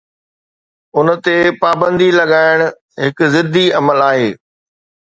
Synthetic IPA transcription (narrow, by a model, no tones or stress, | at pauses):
ʊnət̪epaːbə̃nd̪ilɐɠaːɪɽ̃ʊ | ɦɪkʊzɪd̪ʱiɐməlaːɦeː